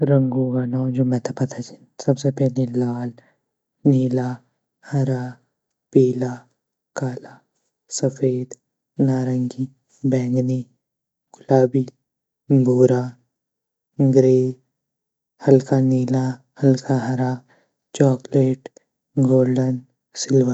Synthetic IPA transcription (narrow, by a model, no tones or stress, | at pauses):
ɾɐ̃ŋɡoɡanãːd͡ʒoːmɛ̃t̪ʰapɐt̪ʰat͡ʃi̥ | sɐbsepɛɦlelaːl | niːla | hɐɾaː | piːla | kaːla | sɐfeːd̪ | naːɾə̃ŋɡi | bɛ̃ːŋɡni | ɡʊlaːbi | bʱoːɾaː | ɡɾeːd͡ʒ | hɐlkaniːla | hɐlkʰaɦɐɾa | t͡ʃɔːkleːʈ | ɡoːlɖən | sɪlʋə